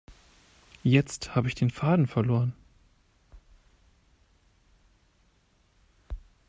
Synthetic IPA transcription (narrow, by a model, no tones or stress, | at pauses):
jɛt͡sthaːbəɪçd̥eːnfaːdn̩fɛɐloːʁən